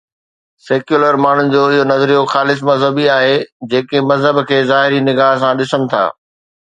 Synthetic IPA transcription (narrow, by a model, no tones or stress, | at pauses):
seːkjuːləɾmaːɳ̤ʊnɪ̆d͡ʑoːɪɦonɐzɾijoxaːlɪs̬mɐzɦəbiaːɦed͡ʑeːkemɐzɦəbkʰeːzaːɦɪɾinɪɡaːɦs̬ãɗɪsənɪ̆t̪ʰa̰ː